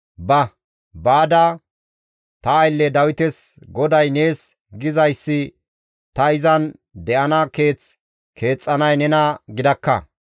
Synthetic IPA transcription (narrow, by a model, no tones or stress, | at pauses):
bɐ | baːd̪ɐ | t̪ɐːjlːɛd̪ɐwɪt̪ɛs | ɡɔd̪ɐjne̞ːs | ɡɪzɐjsːɪ | t̪ɐɪzɐn | d̪ɛʔɐnɐke̞ːt͡s | kʰe̞ːt͡sʼːɐnɐjnɛnɐɡɪd̪ɐkːɐ̰